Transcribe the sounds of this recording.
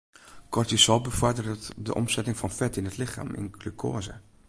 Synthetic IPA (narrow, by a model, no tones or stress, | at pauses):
kʰɔrtjəsɔlˠbəfɔrdərətdə̰ʔɔ̰msɛtɪŋfɔnfɛtɪnətlɪxa̰ːmɪ̰nɡlykʰo̰ːzə̰